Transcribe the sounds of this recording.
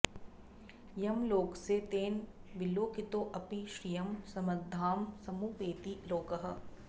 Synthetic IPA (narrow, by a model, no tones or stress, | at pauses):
jɐmloːkset̪eːnʋɪloːkɪt̪oːʔɐpiʃɾijɐmsɐmɐd̪ʱːaːmsɐmuːpeːt̪iloːkɐɦɐ̆